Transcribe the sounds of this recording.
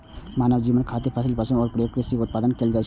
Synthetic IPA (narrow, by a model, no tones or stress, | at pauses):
maːnəʋd͡ʒiːʋənkʰaːt̪epʰəsilpəsə̃nɔːɾpɾɔjoːkɾɪsikʊt̪̚paːd̪ənkeld͡ʒaːt͡ʃʰ